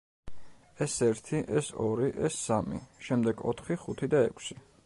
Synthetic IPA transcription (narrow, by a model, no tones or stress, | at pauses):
ɛsɛɾt̪ʰiʔɛsɔɾiʔɛsamḭʃɛmd̪ɛɡɔ̰t̪ʰχiχut̪ʰid̪aɛkʰsi̥